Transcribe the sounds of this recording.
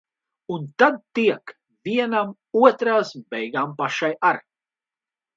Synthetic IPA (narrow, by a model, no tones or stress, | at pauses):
unt̪ad̪̚t̪iɛk | viɛnam | uɔt̪ɾaːsbɛjɡaːmpaʃajaɾ